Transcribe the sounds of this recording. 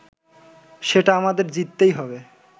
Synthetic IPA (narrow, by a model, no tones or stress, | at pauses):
ʃeʈaamad̪eɾd͡ʑit̪ːejɦɔbe